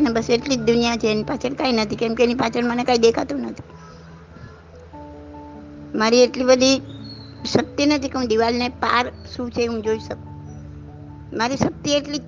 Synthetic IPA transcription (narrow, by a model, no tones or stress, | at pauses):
nebəseʈlid͡ʒd̪ʊnijat͡ʃʰeːnipat͡ʃʰəɳkainət̪ʰikɛmkeenipat͡ʃʰəɳmənekaid̪ekʰat̪ũnət̪ʰi̥ | maɾieʈlibəd̪ʱi | ʃək̚t̪inət̪ʰikeɦũd̪iʋalnepaɾʃũt͡ʃʰeɦũd͡ʒoiʃək̚ | maɾiʃək̚t̪ieʈli